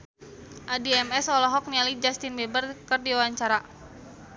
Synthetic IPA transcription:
ʔadiɛmɛsɔlɔɦɔk̚nialid͡ʒast̪ɪnbɛbərkərdiwawaɲt͡ʃaɾa

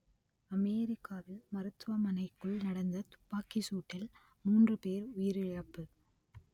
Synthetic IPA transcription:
ɐmeːɾɪkːaːʋɪlmɐɾɯt̪ːʋɐmɐnɐɪkːɯɭnɐɽɐnd̪ɐt̪ʊ̥pːaːkisuːʈːɪl | muːndrɯpeːɾʊjɪɾɪɻɐpːɯ

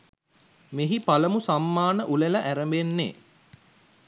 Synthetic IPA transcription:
meɦipaləmusamːaːnəʔuleləʔæɾəmbenːḛː

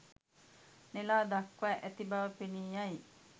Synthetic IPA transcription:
nelaːd̪akʋæʔæt̪ibaʋəpeniːjaj

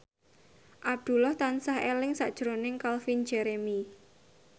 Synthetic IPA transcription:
ʔab̚d̪̥ṳlɔht̪ansahelɪŋsa̰ʔd̥ʒ̥ɾonɪŋkalfin̥d͡ʒɛɾemi

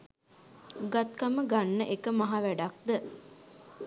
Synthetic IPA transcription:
ɡat̪̚kaməɡanːəʔekəmaɦaʋæɖak̚d̪ə

